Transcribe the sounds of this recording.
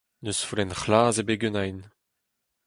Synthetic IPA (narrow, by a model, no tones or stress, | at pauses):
nøsfulɛnχlaːzebeɡønajn